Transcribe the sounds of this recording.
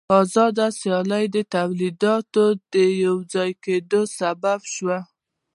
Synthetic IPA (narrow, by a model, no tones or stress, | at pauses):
ɑzɑd̪asjɑlajd̪ət̪awlid̪ɑt̪od̪əjawd͡zɑjked̪osababʃwa